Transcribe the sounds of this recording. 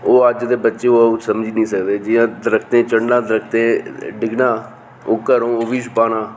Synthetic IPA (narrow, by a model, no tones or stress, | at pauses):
oːəd͡ʒd̪eːbətːʃeːoːusəmd͡ʒiːnĩːsəkd̪eːd͡ʒɪjãːd̪ɾəkʰt̪ẽːt͡ʃəɳɖãːd̪ɾək̚ʰt̪ẽːɖɪɡnaː | oːkəɾõːoʋiːʃpaːnaː